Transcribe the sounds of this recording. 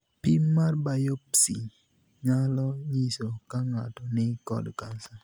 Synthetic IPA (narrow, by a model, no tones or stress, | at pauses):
pimmarbajopsi | ɲalɔɲisokaŋatɔnɪkɔ̰dkansa